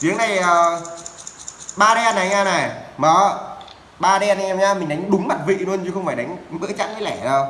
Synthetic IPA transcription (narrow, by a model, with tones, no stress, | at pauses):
t̪i˨˦əŋna˨˩jəː˨˩ | ɓaː˧ɗɛ˧nːa˨˩˨ɲaː˧na˨˩mɔː˨˩ | ɓaː˧ɗɛ˧n˨˩˨ɛ˧mɲaː˧mï˨˩ŋ̟ɗa˨˦jŋ̟ɗʊ˨˦ŋ͡mma˨˩t̚vḭ˧˨nu˧ənɲɨ˧xə˧wŋ͡mfaː˧˩jɗa˨˦ŋ̟ɓɨ̰˧˥ət͡ɕa̰ː˧˥nɗə˨˦lɛ˧˩zo˧˩